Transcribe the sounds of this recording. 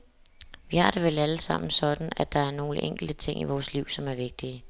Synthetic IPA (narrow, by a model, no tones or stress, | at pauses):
ʋihɑ̈ɾ̥e̝ʋelæləsɑ̈m̰n̩sɒ̽d̥n̩æd̥ɑ̈æɐno̝ːləʔeŋ̰ɡ̥l̩d̥ət͡sʰe̝ŋ̰iʋɒːsliʊ̰sɒ̽mæɐʋe̝ɡ̥̚d̥iə